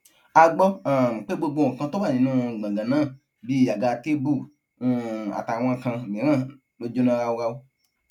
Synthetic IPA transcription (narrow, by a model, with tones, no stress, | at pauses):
a˧ɡ͡bɔ˧a˨k͡pe˦ɡ͡bo˧ɡ͡bõ˧˨kã˧˦to˦ba˦˨nĩ˨˦nũ˦˨ã˨ɡã˨nãː˦˨ | bi˦a˨ɡa˧te˦bũ˦˨˦ | a̰˨ta˨w̃ɔ̃˧˨kã˧˨mĩ˨˦ã˦˨ | o˧d͡ʒo˦nã˧ɣa˧wo˧ɣa˧wu˦